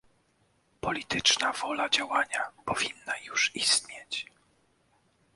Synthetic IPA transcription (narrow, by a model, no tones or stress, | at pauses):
pɔlʲit̪ɘt͡ʂnavɔlad͡ʑawaɲapɔvʲinːajuʂist̪ɲɛt͡ɕ